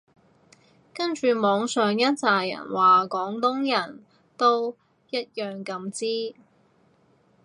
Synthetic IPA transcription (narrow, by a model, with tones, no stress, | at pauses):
kɐ˥nt͡ʃyː˨˧mɔː˨˧ŋsœː˨ŋjɐ˥t̚t͡saː˨jjɐ̰˨˩nwaː˨˩kɔː˨˥ŋt̪ʊ˥ŋjɐ˨˩n | t̪o˥w | jɐ˥t̚jœː˨˩ŋkɐ˧mt͡siː˥